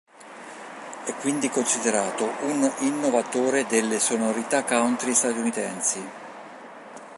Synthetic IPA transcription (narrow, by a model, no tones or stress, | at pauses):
ɛkːwind̪ikonsid̪eɾaːt̪ouninːovat̪oːɾed̪elːesonoɾit̪akːawnt̪ɾist̪at̪unit̪ɛnsi